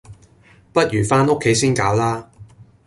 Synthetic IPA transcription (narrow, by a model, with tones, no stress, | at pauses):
pɐ˥t̚jyː˨˩faː˥no˥kʰːe˨˥jsiː˥nkaː˨˥wlaː˥